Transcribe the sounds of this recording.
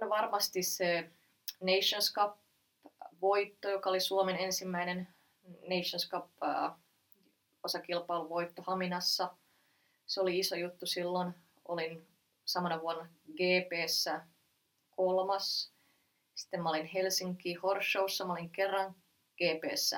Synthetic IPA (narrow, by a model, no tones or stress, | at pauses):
nʋɑrmɑst̪isse | neiʃonskɑp | ʋoit̪ːojokɑolisuomenensimːæinen | neiʃonskɑpː | osɑkilpɑiluʋoit̪ːohɑminɑsːɑ | seoliisojut̪ːusilːon | o̰lin | sɑmɑnɑʋuonːɑɡeːpeːsːæ | kolmɑs | si̥t̪ːemɑolinhelsiŋkːˑiːhorʃːousːɑmɑoliŋkerːɑŋ | ɡ̥eːpḛːsːæ̰